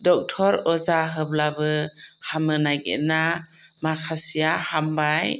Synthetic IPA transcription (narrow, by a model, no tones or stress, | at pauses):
dɔk̚tʰɔɾɔzaɦɯblabɯhamɯnajɡḛnamakʰasijahambaj